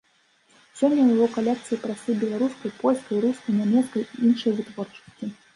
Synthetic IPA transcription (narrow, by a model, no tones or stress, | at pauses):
sʲɔmʲjʲːɐwjavɔkalʲɛkt̪sɨjpɾasɨbʲɛlˠaɾuskɐjpɔlʲskɐjɾuskɐjnʲɛmʲɛskɐjiinʂɨjɐvɨt̪vɔrt͡ʂɐ̥sʲtʲi